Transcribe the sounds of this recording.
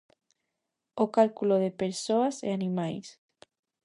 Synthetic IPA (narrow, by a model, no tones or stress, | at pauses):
okalkuloðepeɾsoasḛanĩmajs